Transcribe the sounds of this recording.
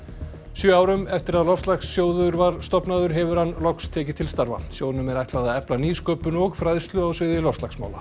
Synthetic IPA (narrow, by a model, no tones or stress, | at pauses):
sjœːaːwɾʏmɛft̪ɪɾaðlɔfst̪laxsːjoːwðʏʏɾvaɾ̥st̪ɔpnaðʏɾɦɛvʏɾ̥hanːlɔkst̪ʰɛːcɪt̪ʰɪlst̪aɾva̰sjowðnʏmɛɾajht̪lawðaðɛplaniːskœːpʏnɔɣfɾaðst̪lʏawsvɪːðɪlɔfst̪laxksma̰ːwla̰